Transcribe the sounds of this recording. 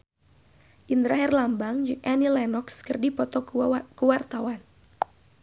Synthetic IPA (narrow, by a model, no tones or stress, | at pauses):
ʔind̪ɾaɦɛrlambaŋd͡ʒɨŋʔanilɛnɔkskɨrdipɔt̪ɔkəwart̪awan